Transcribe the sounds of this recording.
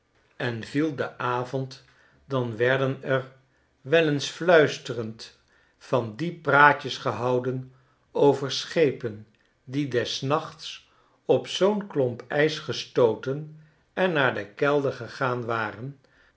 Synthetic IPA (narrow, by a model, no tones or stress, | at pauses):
ɛnvilˠdəʔaːvɔnt | dɑnʋɛɹdənɛr | ʋɛlənsflœɥstərənt | fɑndipraːcəsχəɦɑwdən | owvəɹsχejpən | didɛsnɑχts | ɔpsownklɔmpɛjsχəstowtən | ɛnːaːɹdəkɛlˠdəɹχəχaːnʋaːrən